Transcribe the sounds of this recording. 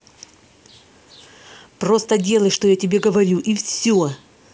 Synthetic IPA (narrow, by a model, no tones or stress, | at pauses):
pro̞st̪ədʲe̞lˠəjʂt̪o̞jatʲɪbʲe̞ɡəvɐɾʲuʔifsʲo